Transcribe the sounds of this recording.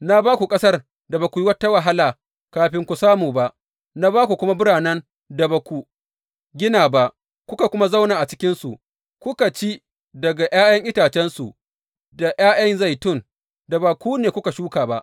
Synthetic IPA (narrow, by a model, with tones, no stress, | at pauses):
na˦baː˦kʷu˨kʼɐ˦sɐ˦r | da˨ba˨kʷu˨ji˦wɐ˦tːa˦wa˨ɦa˦laː˨ | kaː˨ɸɪ˦ŋkʷu˨saː˦muː˨ba˦ʔ | na˦baː˦kʷu˨kʷʊ˦ma˦bʊ˦ɽaː˨nɐ˦n | da˨ba˨kʷu˨ | ɡʲɪ˦naː˨ba˨ʔ | kʷʊ˦ka˨kʷʊ˦ma˦zɐ˦wnaː˨ʔa˨t͡ʃɪ˦kʲɪ˦nsu˨ | kʷʊ˦ka˨t͡ʃi˦ | dɐ˨ɡa˨j̰aː˦jɐ˦ŋʔɪ˦taː˨t͡ʃɛ˦nsu˨ | da˨jaː˦jɐ˦nza˦˨jtʊ˦˨n | da˨baː˨kʷuː˦neː˨kʷʊ˦ka˨ʃuː˦kaː˨ba˦ʔ